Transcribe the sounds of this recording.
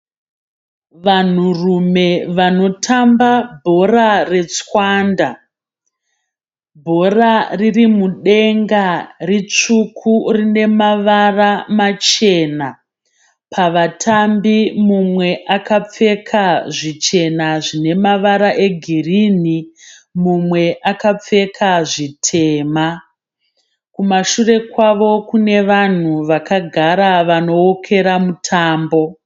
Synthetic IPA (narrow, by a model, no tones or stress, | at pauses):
ʋan̤urume̞ʋano̞tʰambabʱo̞rare̞t͡swaːnda | bʱo̞raririmuɗe̞ŋɡarit͡ʂukʰurine̞maʋaramat͡ʃe̞na | pʰaʋatʰambimumwe̞ʔakap͡fe̞kʰaʐit͡ʃe̞naʐine̞maʋaɾaʔe̞ɡʱirini | mumwe̞ʔakap͡fe̞kʰaʐitʰe̞ːma | kumaʃure̞kwaʋo̞kune̞ʋan̤uʋakaɡʱaɾaʋano̞okʰe̞ɾamutʰaːmbo̞